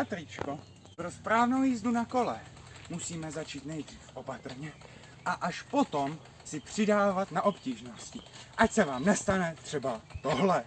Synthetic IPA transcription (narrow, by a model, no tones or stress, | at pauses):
pat̪ɾit͡ʃko | pɾospɾaːvnowjiːzdunako̞lɛ | musiːmɛzat͡ʃiːt̪nɛjd̪r̝iːfʔo̞pat̪r̩ɲɛ | ʔaʔaʃpo̞t̪o̞m | sɪpr̝̥ɪdaːvat̪naʔo̞pciːʒnoscɪʔacsɛvaːmnɛst̪anɛt̪r̥ɛbat̪o̞ɦlɛ